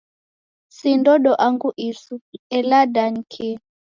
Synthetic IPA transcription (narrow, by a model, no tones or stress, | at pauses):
sindɔɗɔʔaŋɡuʔisuɛladankʰi